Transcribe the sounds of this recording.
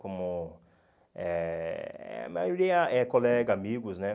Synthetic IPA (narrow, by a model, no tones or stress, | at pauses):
kõmʊ | ɛ | ɛ̰ma̰joɾiɐʔɛkolɛɡamiɡʊznɛ